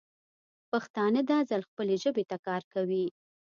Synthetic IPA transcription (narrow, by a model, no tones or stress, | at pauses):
paxt̪ɑnəd̪ɑzalxpəleʒəbet̪akɑɾkawi